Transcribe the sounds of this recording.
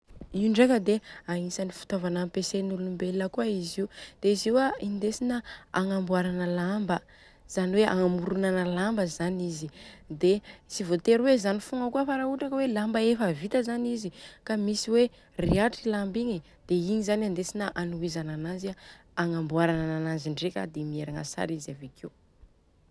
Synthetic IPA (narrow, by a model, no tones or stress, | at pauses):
iuɳɖ͡ʐekəd̪eaŋisanifu̥t̪ovanampesenulumbelːəkuaiziud̪̥eiziwaind̪esinəaŋambuaɾanəlambə | z̥aniweʔa̰ŋamuɾunanəlambəzanizid̪esivot̪eɾwezanifuŋəkuəfaɾauʈ͡ʂakawelambəefəvit̪əzanizikamisiwe | riaʈ͡ʂilambiŋi | d̪̥eiɲizanand̪esinəʔanuizananazia | aŋambuaɾanananaziɳɖ͡ʐekʲa̰d̪emieɾaŋa̰sa̰ɾizavekʰew